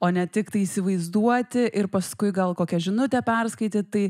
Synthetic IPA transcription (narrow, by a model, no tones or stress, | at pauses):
oːnʲɛt̪ʲɪkt̪ɐɪisʲɪʋɐɪzd̪uɔt̪ʲɪʔɪɾpɐskʊɪɡɐlˠkoːkʲɛʒʲɪnʊt̪ʲɛpʲɛrskɐɪt̪ʲɪt̪ɐɪ